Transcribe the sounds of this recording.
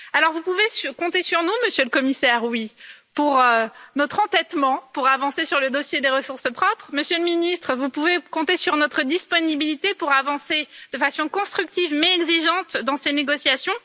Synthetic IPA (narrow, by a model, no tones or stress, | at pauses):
alɔʁvupuvesyʁkɔ̃t̪esyʁnuməsjøləkɔmisɛʁwipuʁnɔt̪χɑ̃t̪ɛt̪mɑ̃puʁavɑ̃sesyʁləd̪osjed̪eʁəsuʁsəpχɔpχməsjøləminist̪χəvupuvekɔ̃t̪esyʁnɔt̪χəd̪ispɔnibilit̪epuʁavɑ̃sed̪̥əfasɔ̃kɔ̃st̪χyk̚t̪ivmɛɛɡziʒɑ̃t̪d̪ɑ̃seneɡɔsjasjɔ̃